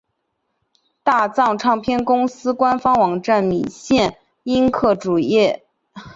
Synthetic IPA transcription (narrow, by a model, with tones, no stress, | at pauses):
t̪a˥˧t͡sɑ˥˧ŋʈ͡ʂʰɑ˥˧ŋpʰjɛ˥˩nkʊ˥ŋsɹ̩˥kwa˥nfɑ˥ŋwɑ˨˩ŋʈ͡ʂa˥˩nmi˨˩ɕjɛ˥˩n | i˥nkʰɤ˥˩ʈ͡ʂu˨˩jɛ˥˩